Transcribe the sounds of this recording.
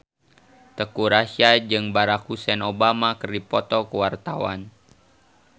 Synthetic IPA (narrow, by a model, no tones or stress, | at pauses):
t̪əkuɾaʃiad͡ʒɨŋbaɾak̚husɛnobamakərdipɔt̪ɔkəwart̪awa̰n